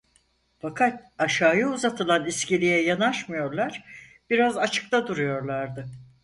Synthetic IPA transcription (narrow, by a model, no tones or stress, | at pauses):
fakʰat̪̚aʃaːjɯuzat̪ʰɯlˠaniscilʲijɛjanaʃmɯjo̞ɾlˠaɾ̥b̥iɾazat͡ʃʰɯ̥k̚t̪ʰad̪uɾujo̞ɾlˠaɾd̪ɯ